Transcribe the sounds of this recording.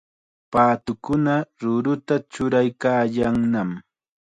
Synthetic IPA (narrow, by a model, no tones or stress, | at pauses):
paːt̪ʊkʊnaɾʊɾʊt̪at͡ʃʊɾajkaːjaŋnam